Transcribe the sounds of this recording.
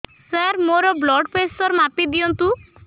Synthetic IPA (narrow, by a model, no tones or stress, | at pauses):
saɾmoɾɔblɔɖpesʈɔɾmapid̪iɔnt̪u